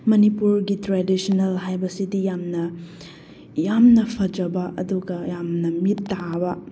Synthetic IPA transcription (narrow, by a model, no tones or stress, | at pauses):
mɐnipuɾɡitɾedisonɐlɦajbɐsidijamnɐ | jamnɐpʰɐd͡ʒɐbɐʔɐduɡɐjamnɐmitːabɐ